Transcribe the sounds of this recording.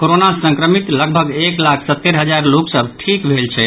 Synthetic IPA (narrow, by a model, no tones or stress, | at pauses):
koɾonasə̃ŋkɾəmit̪ləɡ̚bʱəɡeklakʰsət̪ːeɾɦəd͡ʒaɾloksəbʱʈʰikbʱelt͡ʃʰɛ